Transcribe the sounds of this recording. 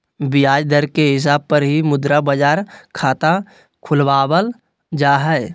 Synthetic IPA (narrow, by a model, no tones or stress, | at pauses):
bijaːd͡ʒd̪əɾkeɦɪs̬aːb̚pəɾɦimʊd̪ɾabəd͡ʒaːɾkʰaːt̪a | kʰʊlʋaːbəl | d͡ʒaːɦɛɪ